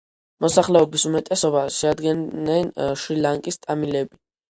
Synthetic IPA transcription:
mɔsaχlɛɔbisumɛt̪ʼɛsɔbaʃɛad̪ɡɛnɛnʃɾilaŋkʼist̪ʼamilɛbi

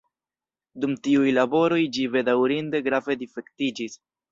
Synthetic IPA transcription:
dumtiujlabo̞ɾo̞jd͡ʒive̞dawɾinde̞ɡɾave̞dife̞ktid͡ʒis

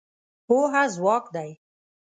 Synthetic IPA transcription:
hoɦazwɑːkd̪aj

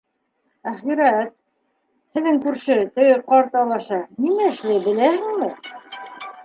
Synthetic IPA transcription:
æχiɾæt̪̚ | hɘ̆ðɘŋkʉɾʃɘt̪ɘ̆jɘqɑɾt̪ɑlˠɑʃɑnimæɘ̆ʃlɘbɘ̆læhɘ̆ŋmɘ

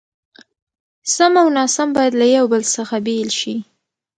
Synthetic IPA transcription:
samawnɑsambɑjad̪lajawbəlsəxabelʃi

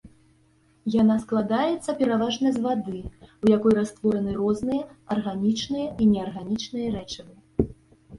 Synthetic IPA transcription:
jan̪asklˠad̪ajɛt̪sːɐpʲɛɾavaʐnɐzvad̪ɨwjakɔjɾast̪vɔɾɐnɨrɔznɨjɐɐrɣanʲit͡ʂnɨjɐinʲɛarɣanʲit͡ʂnɨjɐɾɛt͡ʂɐvɨ

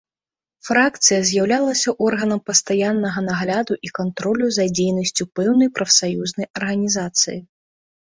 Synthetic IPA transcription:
fɾakt̪sɨjɐzʲjawlʲalˠɐsʲɐʔɔrɣɐnɐmpɐst̪ajanːɐɣɐnaɣlʲad̪uʔikant̪ɾɔlʲuzɐd͡zʲejnɐsʲt͡sʲupɛwnɐjpɾɐfsajuznɐjɐrɣɐnʲizat̪sɨ̰ji

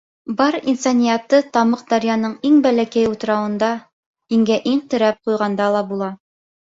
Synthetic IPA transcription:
bɑɾinsonʲijat̪ːɤt̪ɑmɤq̚d̪ɑɾjɑnɤɴiŋbælækæjut̪ɤ̆ɾɑwɤ̆nd̪ɑ | hiŋɡæʔiɴt̪ɘ̆ɾæp̚qujʁɑnd̪ɑlˠɑbulˠɑ

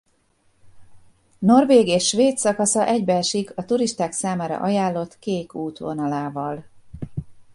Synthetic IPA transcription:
no̞rveːɡeːʃːʋeːt̪sɒkɒsɒʔɛɟbɛlʃiɡɒt̪uɾiʃt̪aːksaːmaːɾɒ̰ʔɒjaːlːo̞t̪keːkuːt̪ʋo̞̰nɒlaːvɒl

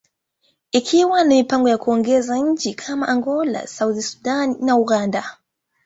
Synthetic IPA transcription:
ikʰiwanimipaŋɡɔjakuɔŋɡɛzaɲ̩t͡ʃikʰamaʔaŋɡɔla̰sauðisu̥danːauɣanda

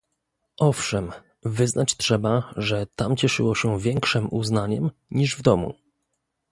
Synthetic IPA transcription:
ʔɔfʂɛm | vɘznat͡ɕtʂɛbaʐɛt̪amt͡ɕɛʂɘ̰wɔɕɛvʲjɛŋkʂɘmʔuznaɲɛmɲiʐvd̪ɔmṵ

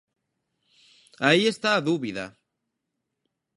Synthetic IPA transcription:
aiest̪aðuβiða̰

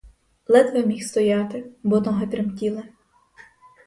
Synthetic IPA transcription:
lˠɛt̪ʋɛmʲixst̪ɔjɑt̪ɪbɔt̪ɔɦɛt̪ɾɪmtʲilˠɛ

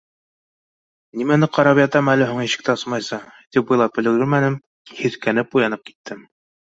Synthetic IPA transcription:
nimænɘqɑɾɑpjɑt̪ɑmælɘɦoŋɘ̆ɕɘ̥̆k̚t̪æɤsmɑjsɑt̪ip̚bɤjlˠɑp̚ɵ̆lɘ̆ɡɘɾmænɘm | hiθkænɘp̚ujɑnɤp̚ki̥t̪ʰːɘm

